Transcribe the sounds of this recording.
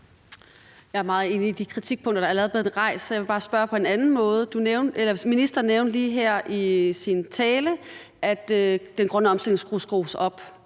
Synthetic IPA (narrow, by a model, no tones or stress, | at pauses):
jɑ̈æɐmɑ̈ːð̩ˠe̝ːniːd̥ikʰʁit͡sʰiɡ̥̚pʰɔ̽ŋ̰d̥ɐd̥ɑ̈ælʁɛðˠb̥le̝ð̩ˠʁɑ̈ɪ̰sjʋe̝bɑ̈ːsb̥ɶɐpʰɒ̽e̝nænn̩mɔ̽ːð̞ˠəd̥uneʊnelɐminisd̥ɐneʊnliːɦeɐ̰ʔisint͡sʰɛːlə | ʔæd̥ød̥enɡ̥ʁœnəɒ̽msd̥el̰eŋsɡ̥ʁusɡ̥ʁo̰ːsɒ̽b̥